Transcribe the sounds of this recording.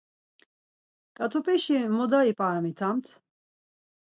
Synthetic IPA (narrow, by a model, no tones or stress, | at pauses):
kʼat̪ʰɔpʰʼɛʃimɔd̪aipʼaɾmit̪ʰamt̪ʰ